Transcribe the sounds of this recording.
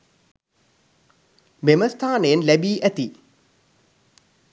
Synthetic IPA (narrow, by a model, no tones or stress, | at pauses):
meməst̪ʰaːnəjenlæbiːʔæt̪i